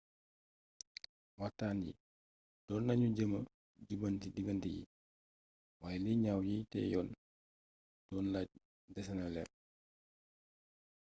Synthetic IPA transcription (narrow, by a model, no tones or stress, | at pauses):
watːaːnjḭ | d̥ɔːnːɐɲuɟəmɐ | ɟubɐntidiɡɐntijḭ | waːjɛliɲawjitɛ̰ːjɔːn | d̥ɔːnlaɟ̚ | dɛsɛnɐlɛ̰r